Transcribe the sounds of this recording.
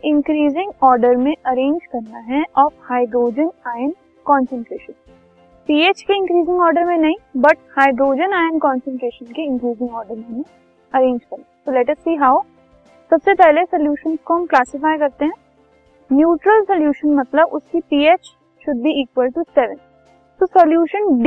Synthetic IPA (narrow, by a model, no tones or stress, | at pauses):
ɪ̃ŋkɾiːzɪ̃ŋɡɔːɾɖəɾmẽʔɐɾẽːɲd͡ʒkɐɾnaɦɛʔɔːfhaːɪɖɾoːd͡ʒənaːjən | kɔːnsə̃ɳʈɾeːʃə̃n | piːeːt͡ʃkeɪ̃ŋkɾiːzɪ̃ŋɡɔːɾɖəɾmẽnɐɦĩbɐʈ̚haːɪdɾoːd͡ʒənaːjənkɔ̃ːnsə̃ɳʈɾeːʃənkeɪ̃ŋkɾiːzɪ̃ŋɡɔːɾɖəɾmẽɦnẽ | ɐɾẽːɲd͡ʒkɐɾnaɦt̪olɛʈɐsːiːɦaːʊ | sɐbsepɛɦlesɐljuːʃə̃nskoɦɐ̃mklaːsɪfaːɪjkɐɾt̪eɦɛ̃ː | njuːʈɾəlsɐljuːʃənmɐt̪ləbʊskipiːeːt͡ʃ | ʃʊd̪ʱiiːkʋəlʈusɛʋə̃n | t̪osɐljuːʃənɖ